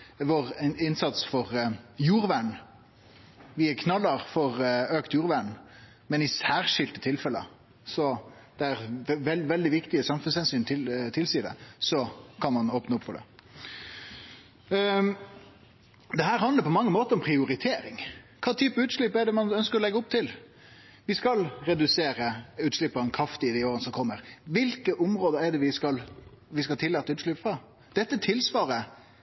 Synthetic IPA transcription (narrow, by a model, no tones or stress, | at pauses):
ʋɔʁɪnsɑt̪sfɔʁjuːʁʋæɳ | ʋɪækʰnɑlːɑʁfɔʁøːkt̪juːɾʋæɳ | mɛnɪsæːʁʂɪlt̪ət̪ʰɪlfɛlːə̰ | sɔd̪̥ɛæɾʋɛlʋɛld̪ɪʋɪkt̪ɪəsɑmfʉnshɛnsyːnt̪ʰɪt̪ʰɪlsiːd̪ɛ̰sɔkʰɑnmɑnoːpnəɔpfɔɖ̪ɛ̰ | d̪ɛɦæːɾɦɑnd̪əɾpʰɔmɑŋːəmoːt̪əɾɔmpʰɾɪʊɾɪt̪ʰeːɾɪŋkʰɑːt̪ʰyːpəʉːt̪ʂlɭɪpːɛɖɛmɑnœnskəɾɔlɛɡːəʊp̚t̪ʰɪl | ʋɪskɑlɾɛd̪ʉseːɾəʉːt̪ʂlɪpːɔɛnkʰɾɑft̪ɪd̪ɪoːɾənəsɔmkʰɔmːəɾʋɪlkəʔʊmɾoːd̪əɾɛɖɛʋɪskɑlʋɪskɑlt̪ɪlːɑːt̪ːəʉːt̪ʂɭyːpfɾɑ | d̪̥ɛt̪ːət̪ʰɪlsʋɑːɾə